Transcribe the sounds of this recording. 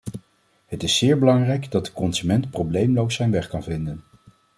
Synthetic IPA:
ɦətɪsːɪːɹbəlɑŋrɛjkdɑd̚dəkɔnzymɛntprowblejmlowsɛjnʋɛχkɑnvɪndən

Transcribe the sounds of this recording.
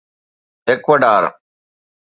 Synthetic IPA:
ekʋɐɖaːɾ

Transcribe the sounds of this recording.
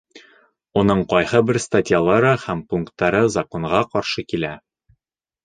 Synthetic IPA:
unɤɴqɒjhɤbɘɾst̪atʲjalˠɑɾɤhæmpuŋkt̪ːɑɾɤzɐkoɴʁɑqɒɾʃɤkilæ

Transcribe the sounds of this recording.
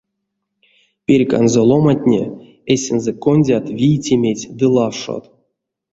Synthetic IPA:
pʲerʲka̰nzolˠo̞matʲnʲḛ | esʲɛnzɛkonʲdʲat̪vʲijtʲemʲetʲd̪ɨlˠafʂo̰t̪

